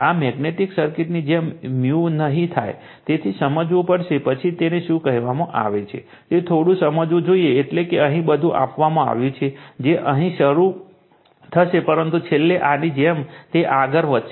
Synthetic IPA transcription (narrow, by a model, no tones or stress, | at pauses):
amɛɡneʈiksəɾkɪʈnid͡ʒemːjunəɦĩt̪ʰaj | t̪et̪ʰisəməd͡ʒʋũpəɽʃepət͡ʃʰit̪eneʃũkəɦʋamãʔa̰ʋet͡ʃʰḛ | t̪et̪ʰoɽũsəməd͡ʒʋũd͡ʒoieːʈlekeəɦĩbəd̪ʱũʔa̰pʋamãa̰ʋjũt͡ʃʰed͡ʒeʔəɦĩʃəɾu | t̪ʰəʃepəɾənt̪ut͡ʃʰelːeʔanid͡ʒemt̪eʔaɡəɾʋət̪ʃe